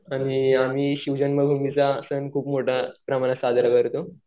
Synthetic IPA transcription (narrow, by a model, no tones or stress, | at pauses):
aɽ̃iamiːɕiwd͡ʑənməbʱumit͡saːsənkʰuːpmoʈʰapɾəmañasad̪ʱɾakəɾt̪o